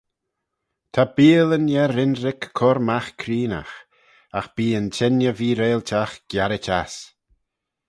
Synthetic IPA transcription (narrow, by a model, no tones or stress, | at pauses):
t̪ʰabiːələnjɛɾɪnɾɪkʰːɔɾmaxkʰɾiːna̰x | axb̥iːənt͡ʃʰɛnjəviːɾeːltʰaxɡ̥jaɾət͡ʃas